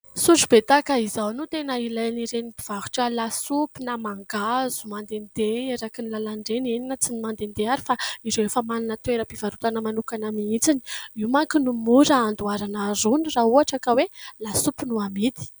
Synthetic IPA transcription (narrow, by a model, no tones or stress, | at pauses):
suʈ͡ʂubet̪akəizawnut̪enəilajniɾenibiv̥aɦu̥ʈ͡ʂəlasupinamaŋɡazumand̪end̪eeɾakinlalaɳɖ͡ʐeneninət͡sinimand̪end̪eaɾifaiɾewefəmanunət̪weɾəbiv̥aɾut̪anəmanukanamiit͡sini̥imaŋkinumuɾaand̪uaɾanaɾunirauaʈ͡ʂakawelasupinuamid̪i̥